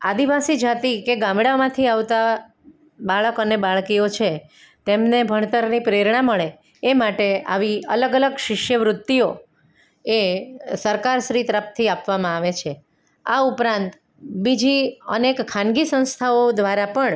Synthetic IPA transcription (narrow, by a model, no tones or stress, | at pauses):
ad̪iʋasid͡ʒat̪ikeɡãmɽamãt̪ʰiaʋt̪a | baɭəkənebaɭkiot͡ʃʰe | t̪emnebʱəɳ̃t̪əɾnipɾeɾɳaməɭe | emaʈea̰ʋiə̰ləɡələɡʃɪʃjəʋɾʊt̪ːio | esəɾkaɾʃɾit̪əɾəpt̪ʰiapʋamãaʋet͡ʃʰe | a̰upɾãnt̪ | bid͡ʒiə̰nekkʰːãnɡisə̃w̃st̪ʰaod̪ʋaɾapəɳ